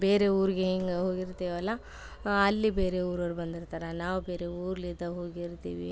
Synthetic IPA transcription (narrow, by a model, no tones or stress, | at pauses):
beːɾe̞uːɾiɡeɦeŋɡeɦoːɡiɾt̪iːʋɐlːɐ | ɐlːibeːɾe̞uːɾoːɾubɐnd̪iɾt̪aːɾenaːʋube̞ːɾe̞uːɾlid̪ɐɦoːɡiɾt̪ḭːʋḭ